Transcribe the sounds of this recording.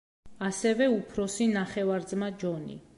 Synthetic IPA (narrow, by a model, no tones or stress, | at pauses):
asɛvɛupʰɾɔsinaχɛvaɾd̪zmad͡ʒɔnḭ